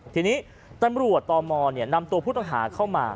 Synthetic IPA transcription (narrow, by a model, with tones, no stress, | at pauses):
t̪ʰiː˧niː˦˥ | t̪a˧mɾu˨˩ət̪ːɔː˧mɔː˧ni˥˩na˧mt̪u˧pʰuː˥˩t̪ɔ˥ŋɦa̰ː˩˦kʰa˥˩wmaː˧